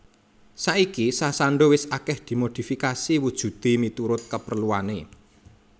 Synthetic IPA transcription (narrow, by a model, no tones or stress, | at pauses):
saʔikisasaɳɖowɪsakɛhd̪̥i̤mod̪̥i̤fikasiwud̥ʒ̥ṳt̪imit̪uɾʊt̪̚kəpərluane